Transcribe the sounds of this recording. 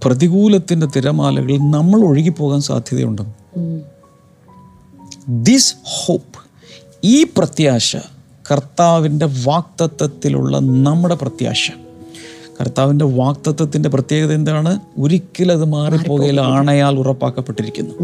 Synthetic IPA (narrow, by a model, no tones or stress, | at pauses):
prɐðiɣuːlɐt̪ːinde̞t̪iɾɐmaːlɐ̰ɣɐɭnɐmːɐɭo̞ɻiɣipːo̞ːɣaːnsa̰ːd̪ʱjɐðɐ̰jṵɳɖɨm | d̪ishoːp | iːprɐt̪jaːɕɐ̰ | kɐrt̪aːʋinde̞ʋaːk̚t̪ɐt̪ːɐt̪ːilṵɭːɐ̰nɐmːuɽe̞prɐt̪ja̰ːɕɐ̥ | kɐ̰rt̪ːaːʋinde̞ʋaːk̚t̪ɐt̪ːɐt̪ːinde̞prɐt̪je̞ːɣɐðend̪aːɳɨoɾikʲːɐlɐðɨmaːripːo̞ːɣɐjilaːɳɐjaːɭurɐpːa̰ːkːɐpːeʈːiɾikʲːunːu